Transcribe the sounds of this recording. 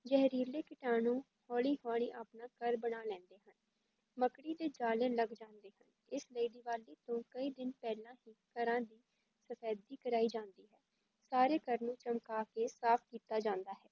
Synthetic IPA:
d͡ʒɛɦɾiːleːkɪʈaːnũː | hoːɽiːɦoːɽ̃ḭ̃ːʔaːpnaːkəɾbəɽaːlɛ̃ːnd̪eːɦən | məkɽiːd̪eːd͡ʒaːlẽːləɡd͡ʒãːnd̪eːhən | ɪsleːɖiːʋaːliːt̪õːkəiːd̪ɪnpɛːlãːɦiːkəɾãːd̪iː | səpʰɛːd̪iːkəɾaːiːd͡ʒãːnd̪iːɦɛː | saːɾeːkəɾnũːt͡ʃəmkaːkeːsaːp̚ʰkiːt̪aːd͡ʒãːnd̪aːɦɛː

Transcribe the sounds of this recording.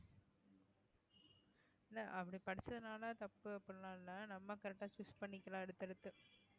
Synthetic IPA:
nːɐʔɐpːɐɽipɐɽɪt͡ʃːɐðɯnaːlat̪ɐpːɯɐpːɯɽnaːnːɐnɐmːɐkɐɾɛk̚ʈːaːt͡ʃʊspɐɳːɪkːɐlãːɛɽɯt̪ːɛɽɯt̪ːɯ

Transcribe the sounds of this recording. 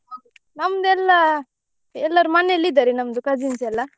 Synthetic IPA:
nɐmd̪ɛlːa | ɛlːaɾumɐnelid̪aɾinɐmd̪ukad͡ʒinsɛlːa

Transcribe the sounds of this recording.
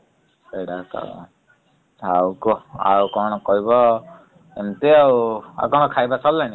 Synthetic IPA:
seɽaka̰ | awkɔa̰wkɔɽ̃ɔkɔɦibɔ | emt̪eawa̰kɔɽ̃ɔkʰajbasɔlːañi

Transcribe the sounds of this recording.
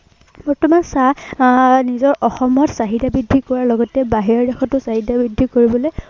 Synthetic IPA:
bɔɹtɔmansa | nizɔɹʔɔxɔmɔtsaɦidabidʱikɔɹaɹlɔɡɔtɛbaɦiɹɔɹdɛxɔtʊsaɦidabɹidʱːikoɹibɔloj

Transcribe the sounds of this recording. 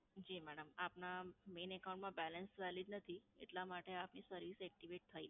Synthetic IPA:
d͡ʒimɛɽəmapnamenɛkawũɳʈmãbɛlənsʋɛlid͡ʒnət̪ʰiḛʈlamaʈeapnisəɾʋisɛk̚ʈiʋeʈ̚t̪ʰəi

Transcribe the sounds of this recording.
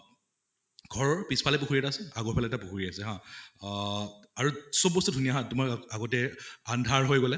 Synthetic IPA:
ɡʱɔɹɔɹpispʰalɛpukʰuɹiɛtasɛaɡɔpʰalɛɛtapukʰuɹiasɛɦã | aɹusɔbːɔstudʱuniaɦãtumaaɡɔtɛandʱaɹɦojɡɔlɛ

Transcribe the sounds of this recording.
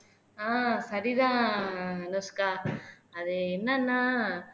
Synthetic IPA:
ãːsɐɾiðã | noskaɐðɯenːanːã

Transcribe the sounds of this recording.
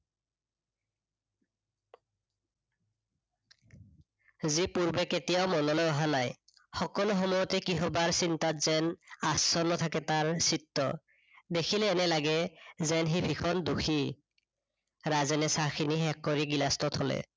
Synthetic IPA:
zipuɹbɛketijaʊmɔnɔlɔjɔɦanaj | xɔkɔloxɔmɔjɔtɛkiɦɔbaɹsintatz̥ɛnasɔnɔtʰakɛtaɹsitːɔ̰ | dekʰilɛːnɛlaɡɛzɛnxibʱikʰɔnduxʰi | ɹazɛnɛsaxʰiniɦɛkːɔɹiɡilastɔtʰɔlɛ̰

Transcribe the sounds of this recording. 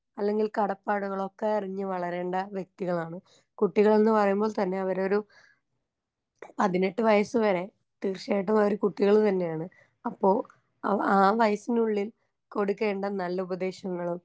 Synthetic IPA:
ɐlːe̞ŋɡilkɐɽɐpːaːɽɐɣɐɭo̞kːe̞iriɲːɨʋɐɭɐɾe̞ːɳɖɐʋjek̚t̪iɣɐɭaːɳɨ | kuʈːiɣɐɭe̞nːɨpɐrɐjumboːɭt̪ɐnːe̞ɐʋɐɾo̞ɾu | pɐðiniʈːɨʋɐjɐsɨʋɐɾe̞ | t̪iːrɕeːʈ̬ːɐmaoɾukuʈːiɣɐɭt̪ɐnːe̞jaːɳɨ | ɐpːo̞ː | aːʋɐjɐsinuɭːil | ko̞ɽukːe̞ːɳɖɐnɐlːɐubɐd̪e̞ːɕɐŋːɐɭum

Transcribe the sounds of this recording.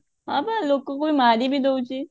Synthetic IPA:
aːbaloːkːokoimaːɾibʱid̪out͡ʃiː

